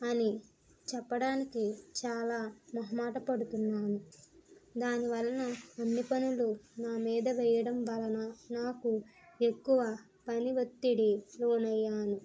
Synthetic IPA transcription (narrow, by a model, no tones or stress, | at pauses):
ɐni | t͡ʃɛpːɐɽaːnikit͡ʃaːlaːmɐɦɐmaːʈɐpɐɽut̪unːaːnu | d̪aːniʋɐlːɐnɐːnːipɐnulunaːmiːd̪ɐʋɛjɐɽɐmbɐlɐnɐnaːku | ekːuʋɐ | pɐniʋɐt̪ːiɽiloːnɐjːaːnu